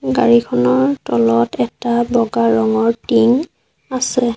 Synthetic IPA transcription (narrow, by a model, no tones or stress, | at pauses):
ɡaɹikʰɔnɔɹtɔlɔtɛtabɔɡaɹɔŋɔɹtiŋ | asɛ